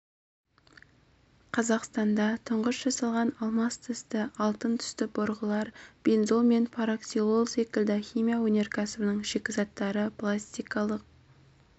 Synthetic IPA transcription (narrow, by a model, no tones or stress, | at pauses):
qʰɑzɑqst̪ɑnd̪ɑt̪ʰʊɴʁəsʒɑsɑlˠʁɑnɑlˠmɑst̪ʰəst̪əɑlˠt̪ənt̪ʰʏ̥st̪ɪboɾʁəlˠɑɾb̥enzolˠme̞npʰaɾaksilˠolˠse̞kʲɪlʲd̪ɪχʲijmʲijawɵne̞ɾkʲʰæsɪbənəɴʒekʲɪzɑt̪ːɑɾəpʰlˠasʲt̪ʲijkɑlˠəq̚